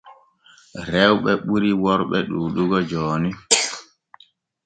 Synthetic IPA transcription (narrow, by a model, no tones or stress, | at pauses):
ɾɛwɓɛɓuɾiwɔɾɓɛɗuːɗuɡɔd͡ʒɔːni